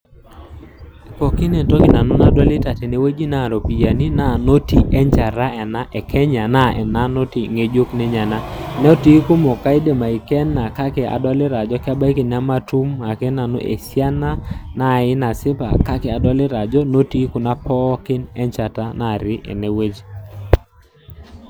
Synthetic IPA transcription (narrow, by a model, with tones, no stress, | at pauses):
kɔ˨kɪ˦nɛ˨ntɔ˦kɪ˨na˨nʊ˦na˨dwa˦lɪ˦ta˨tɛ˨ne˦we˦d͡ʒi˦na˦˨ɾo˨pi˨ja˨ni˦na˦˨no˦ti˨ʔɛ˦ɲt͡ʃa˨ɾa˦ɛ˨na˦ʔɛ˨kʰɛ˦ɲa˨na˦ʔɛ̰˨na˦no˦ti˨ŋe˦d͡ʒo˦knɛ˦ɲa˨na˦nɛ˦ɔ˦ti˦kʊ˦mɔ˨ka˦ɪ˦de˨ma˨ɪ˨kɛ˦nːa˨ka˦kɛ˨a̰˨dɔ˦lɪ˦ɾa˨d͡ʒɔ˦kɪ˦a˦ba˦i˦kɪ˨n˨a˦ma˦tu˦ma˨kɛ˦na˨no̰˦ʔḛ˨sja˦na˦na˦˨ɪ˦na˨sɪ˦pa̰˨ka˦kɛ˨a˨dɔ˦lɪ˦ɾa˨d͡ʒɔ˦no˦ti˦kʊ˨na˦pɔ˦kɪ˦nɛ˦ɲt͡ʃa˨ta˦na˦˨ɾɪ˦ʔɛ̰˨ne˨we˦d͡ʒi˦